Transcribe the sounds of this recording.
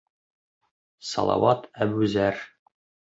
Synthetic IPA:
sɑ̰lˠɑ̰wɑt̪æbʉzæɾ

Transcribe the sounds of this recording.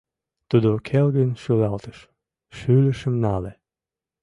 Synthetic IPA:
t̪ud̪okʰelɡənʃylɑlˠt̪ə̥ʃ | ʃylʲəʃə̆mnɑle

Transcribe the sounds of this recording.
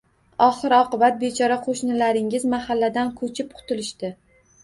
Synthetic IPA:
ɒχɨɾɒqɨbat̪̚bet͡ʃʰɒɾaqʰoʃnɪlaɾɪŋɪzmahalːad̪ankʰɵt͡ʃʰɪp̚qʰʊ̥t̪ʰɪlɪʃt̪ɪ

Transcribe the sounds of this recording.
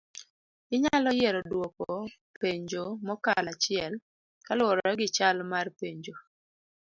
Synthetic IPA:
ɪɲalɔjɛɾɔdwoko | peɲd͡ʒomɔkalat͡ʃɪɛl | kalwɔɾɔɾɛɡɪt͡ʃalmarpeɲd͡ʒo

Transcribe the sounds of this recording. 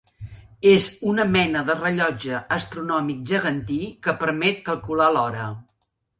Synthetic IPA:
ezunəmɛnəðərəʎɔd͡ʒəːst̪ɾunɔmik̚ʒəɣənt̪ikəpəɾmɛt̪̚kəlˠkulalɔɾə̰

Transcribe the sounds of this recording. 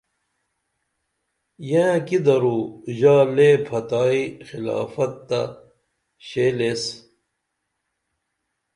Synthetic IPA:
jẽkid̪ɐɾuʑaːlepʰɐt̪aːixila̰ːfɐt̪ːɐ̰ | ɕeːles

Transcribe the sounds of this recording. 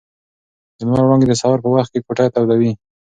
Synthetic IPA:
d̪əmaɾɾɑŋɡed̪əsawaɾpəwaxt̪̚kekoʈajt̪awd̪awi

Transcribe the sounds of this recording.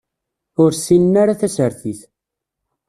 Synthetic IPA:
ʊɾsinnːaɾaθæsəɾθiθ

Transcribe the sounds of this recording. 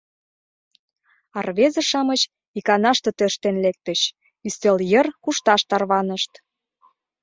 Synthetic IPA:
ɑrβezə̆ʃɑmət͡ɕ | ikɑnɑʃt̪ɤ̆t̪øʃt̪enlek̚t̪əɕ | yst̪eljərkuʃt̪ɑʃt̪ɑrβɑnəʃt̪

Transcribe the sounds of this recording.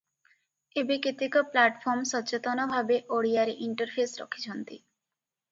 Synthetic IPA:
ebekit̪ikɔplaʈpʰɔɾmsɔt͡ʃet̪ɔnɔbʱabeʔoɽijaɾeʔiɳʈɔɾpʰesɾɔ̰kʰi̥t͡ɕʰɔnt̪ḭ

